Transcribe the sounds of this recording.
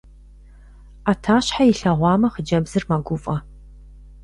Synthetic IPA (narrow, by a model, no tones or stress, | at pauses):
atʰaːɕħajɪɬɐʁʷɑːmɐχəd͡ʒɐbzɨrmɐɡʷʊfʼɐ